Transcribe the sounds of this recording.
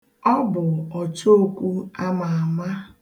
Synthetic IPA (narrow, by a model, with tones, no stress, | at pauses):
ɔ˦bʊ˨ɔ˨t͡ʃo˦o˦kʷu˦a˦ma˨a˨ma˦